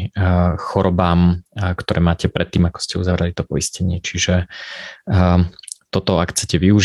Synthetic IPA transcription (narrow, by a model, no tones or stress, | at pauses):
xɔɾɔbaːmkt̪ɔɾɛːmaːcɛpɾɛt̪ːiːmakɔ̥scɛuzaʋɾɛlit̪ɔpɔiscɛɲɪɛt͡ʃiʒɛ | t̪ɔt̪ɔakxt͡sɛcɛʋiuʒ